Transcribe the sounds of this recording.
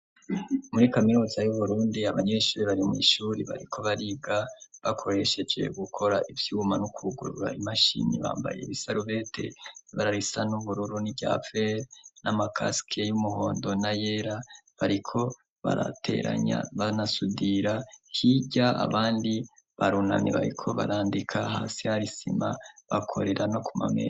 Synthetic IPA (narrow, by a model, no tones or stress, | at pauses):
muɾikaminuzajuβuɾuːndiaβaɲe̞ːʃuːɾiβaɾimŋḭːʃuːɾiβa̰ɾikʰo̞βaɾiɡaβakʰo̞ɾe̞ʃe̞d͡ʒwe̞̰ɡukʰo̞ɾaʔivjumanukʰuɡṵɾuɾa̰imaʃḭnḭβa̰ːmba̰je̞̰βisaɾuβe̞tʰe̞̰βaɾaɾisanuβuɾuɾuniɟa̰feɾnamakʰaskʰejumuho̞ːndo̞najeɾaβaɾikʰo̞ | βa̰ɾa̰tʰe̞̰ɾa̰ɲa̰βanasudiɾahiɟaa̰βaːndi | βaɾuna̰niβa̰ɾikʰo̞βaɾaːndikʰahaːsihaɾisimaβakʰo̞̰ɾe̞ɾʔano̞kumamḛɾ